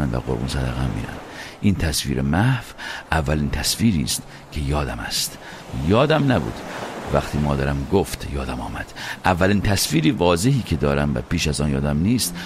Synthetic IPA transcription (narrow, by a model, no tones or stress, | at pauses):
ænd̪væ̰ʁoɾbṵnsæd̪æ̰ɣæmːḭːɾæ̰nd̪̥ʔiːnt̪ʰæsvḭːɾḛmæhvʔævːæliːnt̪ʰæsfiːɾḭːst̪ | kʰe̞jɒːd̪æmæ̰st̪ | jɒːd̪æmnæbṵːd̪̥væχt̪ʰiːmɒːd̪æɾæmɡoft̪jɒːd̪æmɒ̰ːmæd̪̥ʔævːæliːnt̪ʰæsviːɾiːvɒːzehiːkʰe̞d̪ɒːɾæmvæ̰piːʃæzɒːnjɒːd̪æmniːst̪